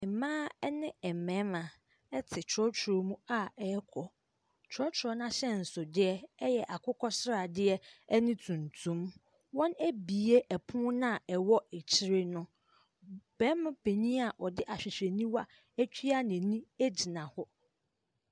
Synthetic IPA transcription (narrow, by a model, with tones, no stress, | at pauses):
ɪ˨mãː˦ɛ˦nɪ̃˦ɛ˨mɛ̃˦mã˨ | ɛ˦tʰɪ˨t͡ʃʰɾɔ˦t͡ɕʰɾo˨mũ˦a˦ɛ˦kʰɔ˨ | t͡ɕʰɾɔ˦t͡ɕʰɾɔ˦nã˦ɕɛ˦n̩˨sʊ˨dɪ˦ɛ˦ɛ˦jɛ˨ʔa˨kʰʊ˦kʰɔ˦sɾa˨dɪ˦ɛ˦ɛ˦nɪ̃˦tʰũ˨ntʰũ˦m | wɔ̃˦næ˦bi˨e˦ʔɛ˨pʰʊ̃˦nã˦˨ɛ˨wɔ˦ɛ˨t͡ɕʰɪ˦ɾe˦nʊ̃˦ | b̥ɛ˦m̃˦pʰe˨ɲĩ˦a˨ʔɔ˨dɪ˦ʔa˨ɕᶣɪ˨ɕᶣe˨nĩ˦wa˦ | æ˦t͡ɕʰᶣi˦a˦nɪ̃˨nĩ˦e˦d͡ʑi˨nã˨hɔ˦